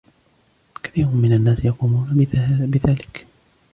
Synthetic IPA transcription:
kḁθiːɾʊmmɪnanːaːsjɑquːmuːnabɪðaːlɪk

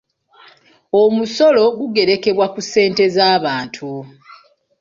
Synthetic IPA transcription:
omuso̞lo̞ɡuɡe̞ɾe̞ke̞βwakuse̞ːnte̞zaːβaːntʰu

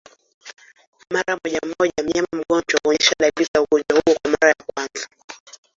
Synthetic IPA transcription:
maɾamɔʄam̩mɔʄam̩ɲamam̩ɠɔɲd͡ʒwauɔɲɛʃaɗalikauɡɔnd͡ʒwahuɔkwamaɾajakwanza

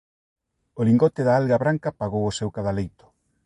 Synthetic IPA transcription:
oliŋɡɔt̪ɪðaalɣaβɾaŋkapaɣowosewkaðalejt̪ʊ̥

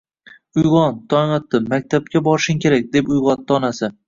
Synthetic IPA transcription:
ʊjʁɒnt̪ʰɒnɒt̪ːɪmak̚ʲt̪ʰap̚kʲabɒɾɪʃɪŋkʲʰe̞ɾak̚ʲd̪e̞pʊjʁɒt̪̚ːɒnasɪ

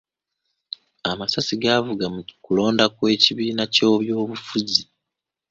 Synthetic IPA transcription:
amasasiɡavuɡamukulo̞ːndakwe̞ːciβiːnaco̞ːβjo̞ːβufuzi

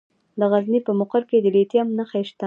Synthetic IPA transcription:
d̪əɣaznipəmʊqəɾked̪əlet̪jamnaxaʃt̪a

